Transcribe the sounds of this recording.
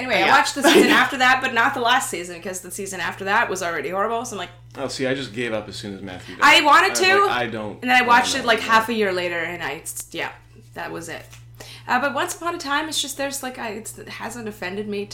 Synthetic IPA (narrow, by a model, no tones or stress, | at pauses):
ɛñiweɪaɪwɑt͡ʃðɨsizɨ̃næftə˞ðæt̚b̥ʌtⁿnət̪̚ðəlæstsizɨ̃nbɨkʰʌzðɨsizɨ̃næftə˞ðæt̚wʔʌzl̩ˠɹɛɾihɔɹɨbl̩ˠsaɪ̃mlaɪk̚ | ɛsiaɪd͡ʒʌsɡ̥eɪvʌpɨz̥sʉ̰̃nɨ̰zmæ̰θjʉaɪwɑ̃ɾ̃ɨdtʰʉa̰ɪdõ̰ʊ̃ntɨ̃n̩ðɨ̃ñaɪwɑt͡ʃtɨtˡlaɪkhæfɨjɪɹleɪɾə˞ɨ̃naɪjæ̰ | ðɨt̚wʌzɪ̰t̚ | ʔʌbʌt̚wʌ̃nsə̥pʰɑ̃nɨtʰãɪ̃mɨtsd̥ʒ̥ʌst̪̚ðə˞slaɪkaɪɨtshæ̰zɨ̃ntdɨfɛ̃ndɨd̚mi